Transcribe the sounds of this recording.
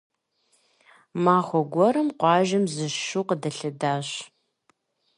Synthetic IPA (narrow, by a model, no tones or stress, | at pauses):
maːχʷɔɡʷɔɾɨmqʷɑːʒɐmzɨʃuːqədɐɬɨdaːɕ